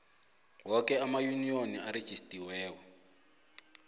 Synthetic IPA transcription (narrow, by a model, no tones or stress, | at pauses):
wɔkɛamajunijoniaɾed̥ʒ̥ʱistʼiwɛːwɔ